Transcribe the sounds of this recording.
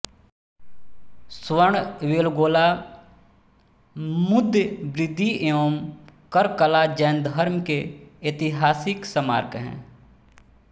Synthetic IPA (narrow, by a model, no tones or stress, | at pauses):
swəɳʋeːlɡoːla | mʊd̪ʱjbɾɪd̪ːiʔeoːmkəɾkəlad͡ʒɛːnd̪ʱəɾmkeet̪ɪɦaːsɪksəma̰ːɾkɦɛ̰̃ː